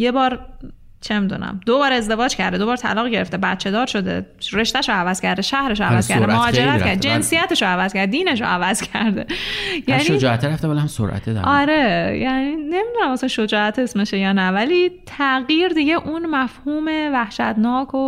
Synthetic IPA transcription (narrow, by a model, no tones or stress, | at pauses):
je̞bɒːɾ | t͡ʃʰemid̪ṵnæ̰md̪obɒːɾezd̪e̞vɒːd͡ʒcʰæɾd̪ed̪o̞bɒːɾt̪ʰæ̰lɒːɣɟe̞ɾeft̪ebæt̪t͡ʃʰe̞d̪ɒːɾʃo̞d̪ḛɾe̞ʃt̪æʃoævæz̥cʰæɾd̪eʃæhɾeʃoævæz̥kʰʲæɾd̪emohɒːd͡ʒeɾæt̪cæɾd̪ed͡ʒe̞nsijæt̪ʰeʃoævæz̥cʰæɾd̪ed̪iːne̞ʃoævæzcʰæɾd̪ḛjænʃiod͡ʒɒːæt̪eɾæft̪ebalhamso̰ɾʔæ̰t̪ʰed̪æ̰ɒɾejæniːne̞mid̪unæmɒsænʃo̞d͡ʒɒːæt̪ʰe̞smeʃejɒːnævæliːt̪ʰæɣjiːɾd̪iɟe̞ʔunmæfhuːmevæhʃæt̪nɒːkʰo